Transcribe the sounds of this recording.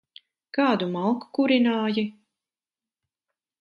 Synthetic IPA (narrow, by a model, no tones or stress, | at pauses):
kaːd̪umalˠku̥kuɾinaːji